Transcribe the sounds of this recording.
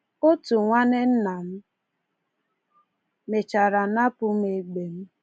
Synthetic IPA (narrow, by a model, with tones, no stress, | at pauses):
o˦tu˨ŋʷa˦ne˦n̩˦na˨m̩˦ | me˨t͡ʃa˨ɾa˨na˦pʊ˨m˦e˨ɡ͡be˨m̩˦